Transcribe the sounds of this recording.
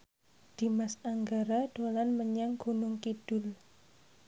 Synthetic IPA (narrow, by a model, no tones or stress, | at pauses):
d̪̥i̤masaŋɡaɾaɖ̥olanməɲaŋɡ̥unʊŋkid̥ʊl